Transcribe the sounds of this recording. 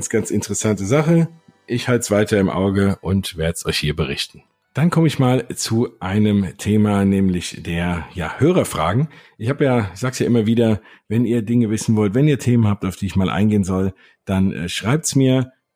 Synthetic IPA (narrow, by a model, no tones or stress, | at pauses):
nsɡ̥ant͡sɪntəʁəsantəzaχə | ʔɪçhaltsv̥aɪtɐɪmʔa̰ʊɡəʔʊntv̥eːɐdəsʔɔ̰ʏçhiːɐbəʁɪ̰çtn̩ | d̥ankʰɔməɪçmaːlt͡suʔaɪnəmtʰeːmanɛːmlɪçd̥eːɐjaːhøːʁɐfʁ̥a̰ːɡŋ̩ʔɪçhaːbjaːz̥aːksjaːʔɪmɐviːdɐ | vɛniːɐdɪŋəvɪsn̩vɔltv̥ɛniːɐtʰeːmənhaːp̚taʊfd̥iːɪçmaːlʔa̰ɪnɡeːənzɔl | d̥anɛ̰ʃʁ̥aɪp̚tsmiːɐ